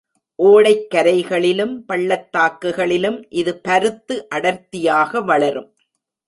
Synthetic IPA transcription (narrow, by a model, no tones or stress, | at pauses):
ʔoːɽɐɪkːɐɾɐɪɣɐɭɪlɯmpɐɭːɐt̪ːaːkːɯɣɐɭɪlɯmʔɪðɯpɐɾɯt̪ːɯʔɐɽɐɾt̪ːɪjaːɣɐʋɐɭɐɾɯm